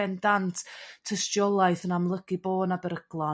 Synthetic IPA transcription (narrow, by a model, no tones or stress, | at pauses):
ɛndantʰəstjɔlˠajθənamlˠəɡ̥iboːnabɛɾəɡ̥lˠɔ